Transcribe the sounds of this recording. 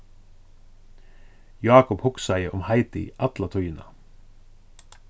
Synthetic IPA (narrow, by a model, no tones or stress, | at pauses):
jɑːkʊphʊksæɪəʔɔmhæɪt̪iḭʔɑt̪lɑt̪ʰɔʏənə̰